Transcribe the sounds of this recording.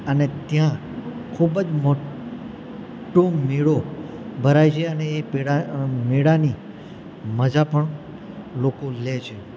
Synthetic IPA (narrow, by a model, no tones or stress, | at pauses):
ənet̪jã | kʰubəd͡ʒmo | ʈomeɭobʱəɾajt͡ʃʰeəneːpeɽameɽani | məd͡ʒapəɳ | lokolet͡ʃʰe